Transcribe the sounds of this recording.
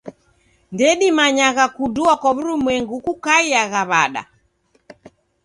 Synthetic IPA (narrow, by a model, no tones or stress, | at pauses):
ndɛɗimaɲaɣakuduakwaβuɾumwɛŋɡukukaiaɣaβaɗa̰